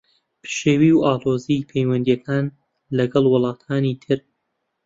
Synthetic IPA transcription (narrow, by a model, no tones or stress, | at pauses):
pʰɨ̥ʃeːwiːwaːloːzijpʰejwɐnd̪ijɛkʰaːn | lɐɡɐlˠwʊlˠɑːt̪ʰaːnit̪ʰɨɾ